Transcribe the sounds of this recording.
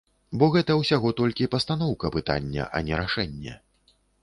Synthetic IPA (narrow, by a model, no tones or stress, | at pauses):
bɔɣɛt̪ɐwsʲaɣɔt̪ɔlʲkʲipɐst̪an̪ɔwkɐpɨt̪a̰nʲːɐ̰ʔɐ̰nʲɛɾaʂɛnʲːɛ̰